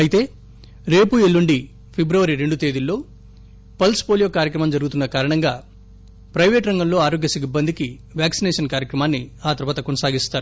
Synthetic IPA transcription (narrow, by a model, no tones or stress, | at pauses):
ɐjit̪e̞ː | ɾe̞ːpuelːuɳɖi | pʰebɾɐʋɐɾiɾe̞ɳɖut̪e̞ːd̪ulːo̞ː | pɐlspoːlijo̞ːkaːɾjɐk̬ɾɐmɐmd͡ʒɐɾuɡut̪unːɐkaːɾɐɳɐŋɡaː | pɾɐjʋe̞ːʈɾɐŋɡɐmlo̞ːaːɾo̞ːɡjɐsiibːɐnd̪iki | ʋjaːksinɛːʂɐnkaːɾjɐkɾɐmaːnːiaːt̪ɐɾʋaːt̪ɐkonɐsaːɡist̪aːɾu